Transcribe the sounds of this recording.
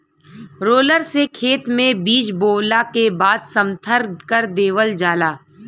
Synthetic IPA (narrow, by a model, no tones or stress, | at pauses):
ɾoːləɾsekʰeːt̪mẽbiːd͡ʒboːlakebaːd̪sə̃mt̪ʰəɾd̪kəɾd̪eːʋəld͡ʒaːlaː